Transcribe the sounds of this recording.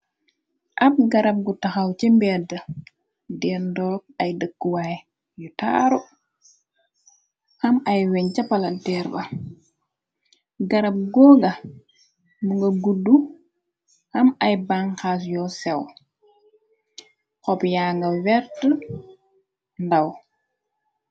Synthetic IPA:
ʔɐp̚ɡɐɾɐp̚ɡutaxawt͡ʃɛmbɛdɐ | dɛndɔːk̚ɐjdəkːwaj | juta̰ːɾu | hɐmajwɛɲt͡ʃɐpɐlɐdɛːɾbɐ | ɡɐɾɐp̚ɡɔːŋɡɐ | muŋɡɐɡudːu | hɐmɐjbaŋxaːs̬jɔsɛw | kɔpjaːŋɡɐwɛɾtə | ndaw

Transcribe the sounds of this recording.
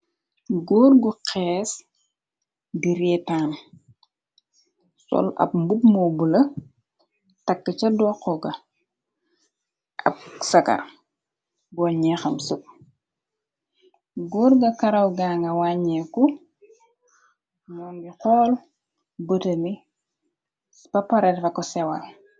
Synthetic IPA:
ɡuːrɡuqɛːs | diɾɛːtaːn | sɔ̰lɐ̰pmbubmɔbulɐ | tɐkːət͡ʃɐdɔːqːɔɡɐ | ʔɐ̰p̚sɐkɐ̰ | bɔɲɛxɐmsup̚ | ɡurɡɐkɐɾɐwɡaːŋɡɐwaːɲɛkːu | nɔːnbiqɔːl | bətɐmi | pɐpɐɾɛtfɐkɔsɛwɐl

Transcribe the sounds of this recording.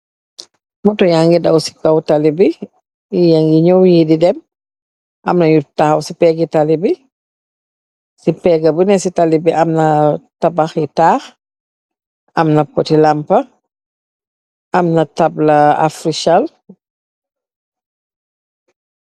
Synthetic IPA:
mɔtɔjaŋɡidɐwsi̥kawtalibi | jaŋɡiɲɔwjididɛm | ʔɐ̰mnɐjutaxɐwsipɛɡitalibi | sipɛɡɐbənɛsitalibiʔɐmnɐtabaxitaːx | ɐmnɐpɔtilampɐ | ɐmnɐtablɐa̰fɾiʃal

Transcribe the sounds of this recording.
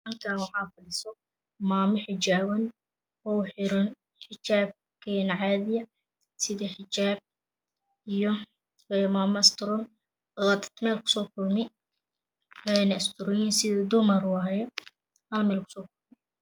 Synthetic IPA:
ʔɐŋkʰaːwɑħɑːfɐɽɪsɔ | maːmɪħɪt͡ʃaːwɐn | ɔħɪɾʊn | ħɪt͡ʃaːb̚ | kʰɛːnɐʕɑːðɪjɐ | sɪðɐħɪt͡ʃaːb̚ | ijɔ | ɛmaːmɐɪst̪ʰʊɾɔːn | wat̪ʰɐ̥t̪ʰmɛːlkʰʊ̥sɔːkʰʊlmɪ | ɛnɪst̪ʰʊɾɔjinsɪðɛd̪ʊmɐɾwajɛ | hɐlmɛːlkʰʊ̥sɔːkʰʊrmɪ

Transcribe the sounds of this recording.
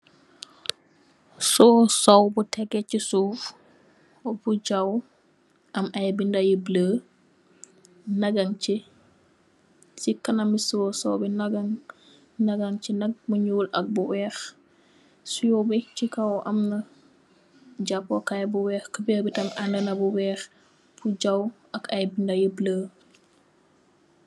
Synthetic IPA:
susowbutɛɡɛcisuf | buɟaw | ʔɐmʔɐjbindajibləː | nɐɡɐŋt͡ʃi | sikɐnɐmisusɔwbinaɡaŋ | nɐɡaŋt͡ʃinɐk̚muɲulʔɐk̚buwɛːx | sujobit͡ʃikawʔɐmnɐ | d͡ʒapokajbuwɛːxkəbɛːbitɐmʔandənɐbuwɛːx | b̥uɟaw | ɐkɐjbindajibləː

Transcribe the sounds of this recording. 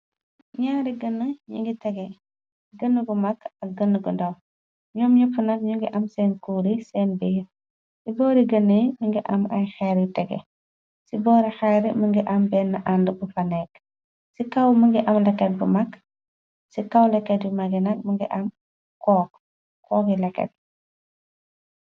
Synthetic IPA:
ɲaːɾiɡɐnːəɲṵŋɡitɛɡɛ | ɡɐnːəɡumɐkɐɡɐnːəɡundɐw | ɲɔːmɲɐfunɐkɲuŋɡiʔɐmsɛːnkuːɾisɛːnbi | sibɔːɾiɡɐnːimiŋɡiʔɐmɐ̰jxɛɾitɛɡɛ̰ | sibɔːɾixɛɾiməŋɡiʔɐmbɛːnːɐʔandəbufɐnɛk̚ | sikɐwmɐŋɡiʔɐmlɛkːɛt̚bumɐk | sikɐwlɛkːɛtbumɐɡinɐk̚mɐŋɡiʔɐm | kɔːk | kːɔːkilɛkːɛ̰t̚

